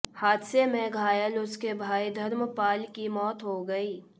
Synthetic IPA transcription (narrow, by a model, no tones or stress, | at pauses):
haːd̪semẽɡʱaːjəlʊskebʱaːid̪ʱɐɾmpaːlkimɔːt̪ɦoɡɐiː